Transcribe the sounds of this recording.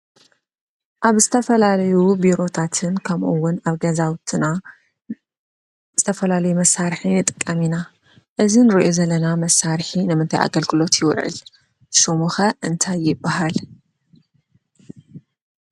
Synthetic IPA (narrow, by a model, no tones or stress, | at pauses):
ʔaβzɨt̪ʰɐfɐlalɐjubiɾo̞t̪ʰat̪ʰɨnkʰɐmʔuwːʊnaβɡɐzawt̪ʰɨna | z̥ɨt̪ʰɐfɐlalɐjumɐsːaɾħinɨt̪ʼɨkʼːɐmina | ʔɨzinɨɾiʔo̞zɐlːɐnamɐsaɾħinɨmɨnt̪ʰajʔa̰ɡɐlɡɨlo̞t̪jɪw̰ʕɨ̰l | ʃomuxɐʔɨnt̪ʰajːɪbːaɦal